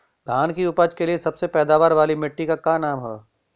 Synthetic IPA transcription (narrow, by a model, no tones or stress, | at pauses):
d̪ʱaːnkiʊpəd͡ʒkeliesɐbsepɛːd̪aːʋaːɾʋaːlimɪʈːikakaːnaːmɦɛː